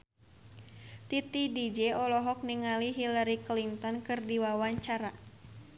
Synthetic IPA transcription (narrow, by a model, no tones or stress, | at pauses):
t̪it̪idid͡ʒɛɔlɔɦɔk̚niŋaliɦilaɾiklint̪ɔnkɨrdiwawaɲt͡ʃaɾa